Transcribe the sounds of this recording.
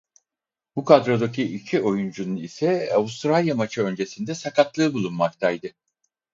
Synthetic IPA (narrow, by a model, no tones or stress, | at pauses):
bukʰad̪ɾo̞d̪acʰiʔicʰio̞jund͡ʒununisɛavust̪ɾalʲjamat͡ʃʰɯø̞nd͡ʒe̞sind̪ɛsakat̪lˠɯːbulˠunmak̚t̪ʰajd̪ɯ